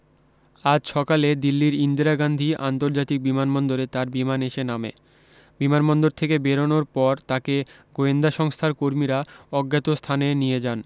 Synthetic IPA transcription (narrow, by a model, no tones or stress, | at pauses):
ad͡ʑʃɔkaled̪ilːiɾind̪iɾaɡand̪ʱia̰nt̪oɾd͡ʑat̪ik̚bimanmɔnd̪oɾet̪aɾbimaneʃenamḛ | bimanmɔnd̪oɾt̪ʰekebeɾonoɾpɔɾt̪akeɡoend̪aʃɔŋst̪ʰaɾkoɾmiɾaɔɡːat̪ost̪ʰanenijed͡ʑan